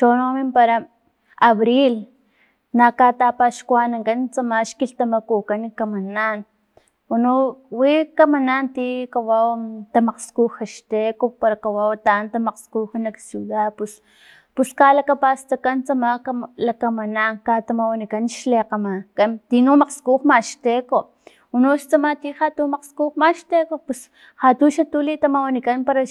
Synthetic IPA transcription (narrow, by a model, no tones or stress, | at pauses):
ʃonomimpaɾa | aβɾil | nakat̪apaʃkwanaŋkant͡samaʃkilt̪amakukanikamanaːn | wanuwikamanaːnt̪ikawawt̪amaqskuxaʃt̪ekopaɾakawawt̪ant̪amaqskuxanaksjuðapus | puskalakapast̪akant͡samakalakamanaŋkat̪amawanikanʃleqamakat̪inumaqskuxmaʃt̪eko | unoʃt͡samat̪ihat̪umaqskuxmaʃt̪ekopus | hat̪uʃat̪ulit̪amawanikanpaɾa